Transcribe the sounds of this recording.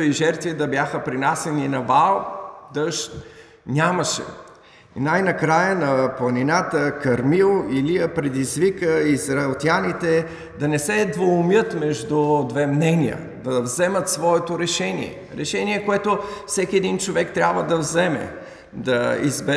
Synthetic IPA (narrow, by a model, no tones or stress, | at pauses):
iʒɛɾt̪vid̪ɐbjaxəpɾinasɛninɐvalˠd̪əʃt̪ | nʲamɐʃɛ̰ | najnɐkɾajənɐplˠɐninat̪əkɐɾmilˠilijəpɾɛd̪izvikəizɾɐɛlˠt̪ʲianit̪ɛ | d̪ɐnɛsɛd̪voʊmjət̪mɛʒd̪ud̪vɛmnɛniə̰ | d̪ɐvzɛmət̪svɔɛt̪oɾɛʃɛnḭɛ̰ | ɾɛ̰ʃɛniɛkoɛt̪ofsɛkʲiɛd̪int͡ʃovɛkt̪ɾʲabvəd̪ɐvzɛmɛ̰ | d̪ɐḭzbɛ